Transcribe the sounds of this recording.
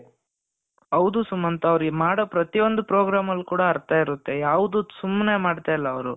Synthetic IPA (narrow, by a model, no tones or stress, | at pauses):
ɐʋd̪usumːɐnt̪ɐːʋɾɡmaːɽopɾɐt̪ijo̞nd̪upɾoːɡɾaːmɐlːkuːɽɐːɾt̪aːiɾut̪ːe̞jaːʋud̪usumːne̞maːɖt̪aːjɐlːɐːʋɾu